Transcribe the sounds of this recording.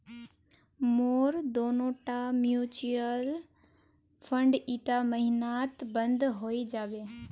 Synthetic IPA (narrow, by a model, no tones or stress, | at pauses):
moːɾd̪oːnoːʈamjut͡ʃiəl | fʰə̃ɳɖiːʈamɐɦɪnaːt̪bɐ̃nd̪ɦoːid͡ʒaːʋeː